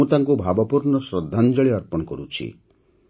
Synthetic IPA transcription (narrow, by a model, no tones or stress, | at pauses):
ut̪aŋkubʱabɔpuɾnɔsɾɔd̪ʱːand͡ʒɔɭiʌɾpɔnkɔɾut͡ʃʰḭ